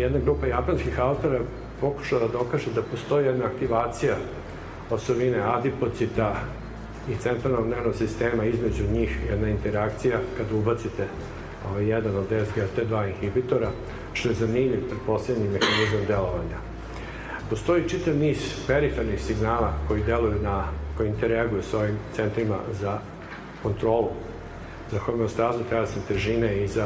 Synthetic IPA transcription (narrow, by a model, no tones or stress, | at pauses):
jɛd̪naɡɾuːpajapanskixalt̪oɾae | po̞ku̥ʃalad̪aokaʒed̪apo̞st̪o̞jijɛd̪naːk̚t̪iʋaːt̪sija | osobinead̪ipo̞t̪sit̪a | it̪sent̪ɾalnoɡd̪neʋnoɡsist̪eːmaizme̞d͡ʑuɲiːxjɛ̰d̪naint̪eɾakt̪sijakad̪aubat̪sit̪e | o̰ʋajːɛd̪anod̪ezɡeat̪ed̪ʋaːinxipit̪o̞ɾa | ʃt̪o̞jezanimʎʲiʋpɾet̪̚po̞slebɲimexanizamd̪e̞loʋaɲa | po̞st̪o̞it͡ʃit̪aʋniːz̥peɾifeɾnixsiɡnaːlˠako̞jid̪e̞lujunakojint̪eɾeaɡujuso̞ʋimt̪sent̪ɾima̰za | ko̞nt̪ɾo̞ːlu | zakomust̪aːzut̪asnet̪eʒiːneiza